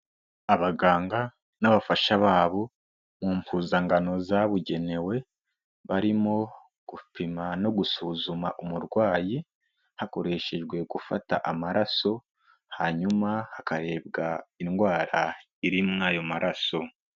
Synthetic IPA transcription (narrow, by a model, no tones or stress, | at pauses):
aβaɡaːŋɡa | naβafaʃaβaːβo̞ | muːmpʰuːzaŋɡano̞zaβuɟe̞ne̞we̞ | βaɾimo̞ | ɡ̥upimano̞ɡusuːzumaʔumuɾɡwaːji | hako̞ɾe̞ʃe̞ʒɡwe̞ɡufata̰ʔamaɾaso̞ | haɲumahakaɾe̞bɡainɡwaːɾa | iɾimŋaːjo̞maɾʔaso̞